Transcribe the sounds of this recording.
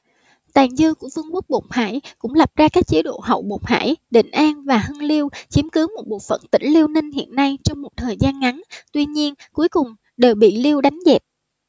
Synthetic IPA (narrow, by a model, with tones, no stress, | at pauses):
t̪aː˨˩ŋzɨ˧ku˧˩əfɨ˧əŋku˦˥ək̚ɓo˨˩p̚haː˧˩jkʊ̰˧˥ŋ͡mla˨˩p̚zaː˧kaː˦˥k̚t͡ɕe˨˦ɗo̰˧˨ɦə̰˧˩˨wɓo˨˩k͡p̚ha̰ː˧˩jɗḭ̈˧˨ŋ̟ʔaː˧nvaː˨˩hə˧nli˧əwt͡ɕi˨˦əmkɨ˨˦mo˨˩t̚ɓo̰˨˩fə̰˧˨nt̪ḭ˧˩ŋ̟li˧əwnï˧ŋ̟hḭ˧˨ənːa˧jt͡ɕɔ˧wŋ͡mmo˨˩t̚t̪ʰəː˨˩jzaː˧nŋa˨˦nt̪wi˧ɲi˧ənku˨˦əjkʊ˨˩ŋ͡m | ɗe˨˩wɓḭ˧˨li˧əwɗa˨˦jŋ̟zɛ˨˩t̚